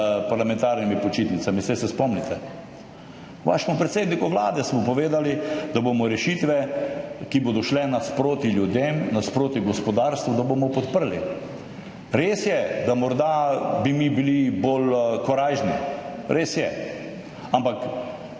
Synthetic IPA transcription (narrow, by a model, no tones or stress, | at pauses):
paɾlamɛ̃nt̪aɾnimipɔt͡ʃiːt̪nit̪samisɛjsɛspɔmnit̪ɛ | ʋa̰ʃɛmʊpɾɛt̪seːd̪nikuʋla̰ːd̪ɛsmɔpɔʋeːd̪alid̪abomɔɾɛʃit̪ʋɛkiboːd̪ɔʃlɛnaspɾoːt̪iljud̪emnaspɾoːt̪iɡɔspɔd̪aːɾst̪ʋud̪abomɔpɔt̪pəɾli | ɾeːsjɛd̪amɔɾd̪abimibilibolkɔɾaʒniɾeːsjɛ | ampak